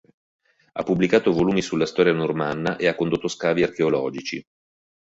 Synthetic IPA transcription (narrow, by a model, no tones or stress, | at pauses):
a̰pːubːlikaːt̪ovoluːmisulːast̪ɔːɾjanormanːaʔeakːond̪ot̪ːoskaːviarkeolɔːd͡ʒit͡ʃi